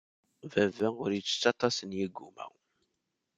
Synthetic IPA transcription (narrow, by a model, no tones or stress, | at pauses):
vævæʊɾjit͡sːə̥t͡sːɑt̪ˤɑsənjiɡːumæ̰w